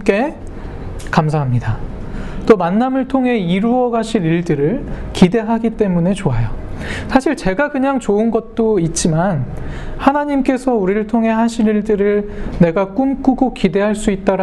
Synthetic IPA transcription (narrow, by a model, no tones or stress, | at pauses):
k͈e̞ | kamsʰaɦamɲidat͈omanːamɯɭtʰoŋɦe̞iɾuʌɡaɕʰiniɭdɯɾɯɭkide̞ɦaɡit͈e̞mune̞t͡ɕoajosʰaɕʰiɭt͡ɕe̞ɡakɯɲaŋt͡ɕoɯnɡʌt̚t͈oit̚t͡ɕ͈imanhanaɲimk͈e̞sʰʌuɾiɾɯɭtʰoŋɦe̞ɦaɕʰiniɭdɯɾɯɭne̞ɡak͈umk͈uɡokide̞ɦaɭs͈uit̚t͈aɾ